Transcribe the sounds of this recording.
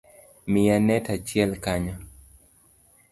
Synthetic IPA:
mɪjanɛtat͡ʃjɛlkaɲɔ

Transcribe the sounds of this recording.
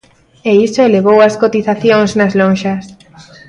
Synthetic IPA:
eisoeleβ̞owɐskot̪iθaθjoŋznazlõnʃɐs

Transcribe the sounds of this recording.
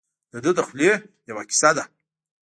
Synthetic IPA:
d̥adɨdaχʷlʲijawakʲʰsada

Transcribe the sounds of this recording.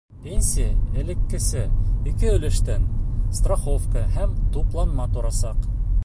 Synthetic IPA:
pʲenʲsʲijaɘ̆lɘ̆kːɘ̆sɘikɘɵ̆lɘ̆ʃt̪ænst̪roχofkəhæmt̪uplˠɑnmɑt̪ŭɾɑsɑq

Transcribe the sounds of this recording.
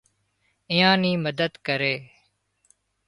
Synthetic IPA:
ɪjãːnĩːməd̪əd̪kəɾeː

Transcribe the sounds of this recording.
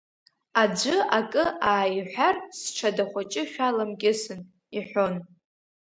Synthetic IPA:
ad͡ʒʷɨakʼɨaːjħʷᶣarsʈ͡ʂʰadaχʷat͡ʃʼɪʃᶣalamkʲʼɪsɨn | iħʷon

